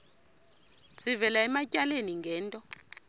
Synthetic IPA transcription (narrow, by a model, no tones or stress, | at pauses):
sivɛlaɛmacʼaleniŋɡʱɛːntʼɔ